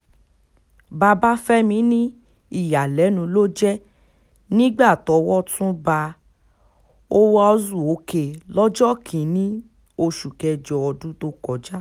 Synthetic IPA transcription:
ba˧ba˦fɛ˦mĩ˨˦nĩ˦ | i˦˨ja˨lɛ˨˦nũ˧lo˦d͡ʒɛ˦ | nĩ˦ɡ͡ba˦˨tɔ˨˧˦wɔ˦tũ˦ba˧ | o˦wɔ˧zu˦˨o˨˦ke˧˨lɔ˦d͡ʒɔ˦kʰĩ˨nĩ˦ | o˧ʃu˨kɛ˧d͡ʒɔ˧ɔ˧dũ˦to˦kɔ˨d͡ʒa˦

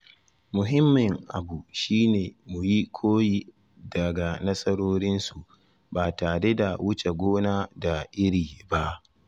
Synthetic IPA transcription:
mʊ˨ɦɪ˦mːɪ˨ŋʔa̰˨bu˨ʃiː˦neː˨mu˨ji˦kʷʰoː˦ji˨ | dɐ˨ɡa˨nɐ˦sʼɐ˦ɽoː˦ɽɪ˦nsu˨ʔ | baː˨taː˨ɽe˦da˨wʊ˦t͡ʃe˨ɡʷoː˦naː˦da˨ʔɪ˦ɾiː˨ba˦ʔ

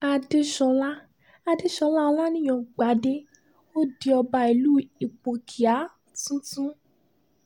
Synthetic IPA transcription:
a˧de˦ʃɔ˧la˦ | a˧de˦ʃɔ˧la˦˧l̃a˦nĩ˦j̃ɔ̃˧˨ɡ͡ba˨˦de˦ | o˦di˧˦ɔ˧ba˧i˨lu˦i˨k͡po˨kʰi˨a˨˦ | tũ˦tũ˦

